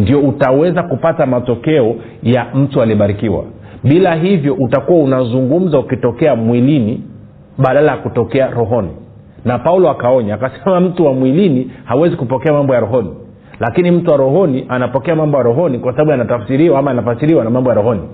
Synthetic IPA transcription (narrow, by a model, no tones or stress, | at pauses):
ndiɔutawɛzakupatamatɔkɛɔ | jam̩tualiɔɓaɾikiwa̰ | ɓilaɦivjɔʔutakuwaunazuŋɡum̩zaukitɔkɛamwilini | ɓaɗalajakutɔkɛaɾɔɦɔni | napaulɔakaɔɲaakasɛmam̩tuwamwilinihawɛzikupɔkɛamambɔjaɾɔɦɔni | lakinim̩tuwaɾɔɦɔniʔanapɔkɛamambɔjaɾɔɦɔnikwasaɓaɓujanatafsiɾiwaamaanafasiɾiwanamambɔjaɾɔhɔni